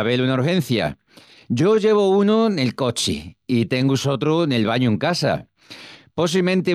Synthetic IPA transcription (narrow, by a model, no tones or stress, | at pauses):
βelunauɾxẽ̞n̟θja̰ | ɟ͡ʝo̞ʝe̞βo̞unone̞lko̞t͡ʃḭit̪e̞ŋɡuso̞t̪ɾone̞lβaɲoeŋkasa̰ | po̞s̬imẽnt̪e